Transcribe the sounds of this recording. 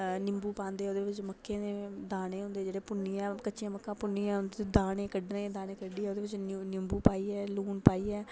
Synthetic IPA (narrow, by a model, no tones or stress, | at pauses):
nɪmbuːpãːnd̪eːɛoːd̪eːʋɪt͡ʃməkʰːeːneːd̪aːnẽːɦʊ̃nd̪eːd͡ʒeːɽeːpʊnːiːɛːkətːʃijãːməkːãːpʊnːiːãːʊnd̪d̪aːnẽːkəɖnẽːd̪aːnẽːkəɖiːɛoːd̪eːʋɪt͡ʃnɪmbuːpaːiːɛːluːnpaːiːɛː